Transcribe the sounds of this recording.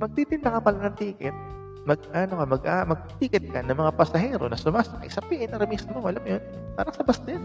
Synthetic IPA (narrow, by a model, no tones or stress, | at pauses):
mɐɡ̚t̪it̪ɪnd̪ɐkɐpɐlɐnɐŋt̪iːkɪt̪̚ | mɐɡ̚aːnokɐmɐɡʔamɐɡ̚t̪iːkɪt̪̚kɐnɐŋmɐŋapɐsɐɦɛːɾo̞̰nɐsʊmaːsɐkɐ̰jsɐpiʔɪnɐɾɐmismoʔɐlamjonpaːɾɐŋsɐbɐsnɐjan